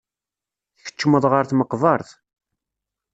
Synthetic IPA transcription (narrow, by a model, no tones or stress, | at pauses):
θçə̥t͡ʃːməðˤʁəɾθməqvɑɾˤθ